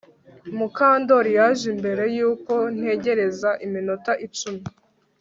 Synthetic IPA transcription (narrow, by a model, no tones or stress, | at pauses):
mukaːndo̞ɾijaʒimbe̞ɾe̞juːko̞n̥he̞ɟe̞ɾe̞zaʔiminotaʔit͡ʃumi